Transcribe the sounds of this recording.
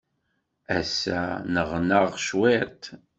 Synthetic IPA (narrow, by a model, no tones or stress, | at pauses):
æ̰sæ̰nəʁnəʁʃwiɾt̪